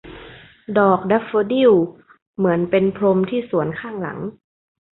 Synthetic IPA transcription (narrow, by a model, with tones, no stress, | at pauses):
dɔː˨˩k̚da˦˥foː˧di˥˩w | mɯ˩˦ənpe˧npʰɾo˧mt̪ʰiː˥˩su˩˦ənkʰaː˥˩ŋla̰˩˦ŋ